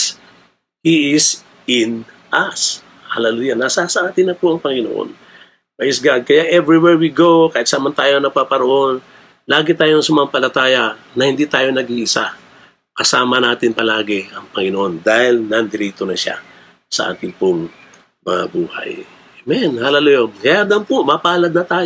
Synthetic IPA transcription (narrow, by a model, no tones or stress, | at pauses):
hiɪs | ɪn | ʔɐs | ha̰lɐlujanːasasɐʔaːt̪ɪnɐkoʔɐŋpɐŋɪno̰ʔo̰n | wɐʔɪsɡad̪̚kɐjaʔɛvɹiwɛɹwiɡokɐʔɪksaːmɐnt̪aːjoɐŋnɐɡ̚paːpɐɾoʔo̞n | laːɡɛt̪aːjoŋsɐmɐapɐlɐt̪aːjɐnɐhɪnd̪iːt̪aːjo̞nɐɡiʔɪsa | kɐsaːmɐnaːt̪ɪnpɐlaːɡɛʔɐŋpɐŋɪnoʔo̞nd̪aːhɪlnɐnd̪ɪɾiːt̪onɐʃa̰ | sɐ̰ʔa̰ːt̪ɪnpʊŋ | mɐŋɐ̰buːhɐ̰j | mɛnhalɐlʊjonɐjad̪ɐmpomapahalɐd̪nɐt̪aːj